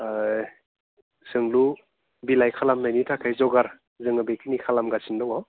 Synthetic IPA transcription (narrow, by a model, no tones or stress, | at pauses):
sɯŋlu | bilajkʰalamnajnitʰakʰajzɔɡaɾ | zɯŋɯbejkʰɯnikʰalamɡasindɔwɔ